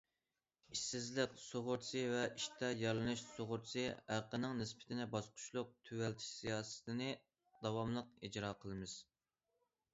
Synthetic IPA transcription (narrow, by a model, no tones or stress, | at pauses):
iʃsɪzlɪkʲsoʁʊɾsɨvɛiʃt̪ʰɛjɑɾlˠɨnɨʃsoʁʊɾt͡ʃɨhæqənɨŋnɪspʰɪ̥t̪ʰɪnɪbɑsqʰʊ̥ʃlˠʊq̚t̪ʰywɛlt̪ʰɪ̥ʃsijɑːsɨ̥t̪ʰɪnɨ | d̪̥ɑwɑmlˠəq̚id͡ʒɾɑːqʰəlˠɨmɨz̥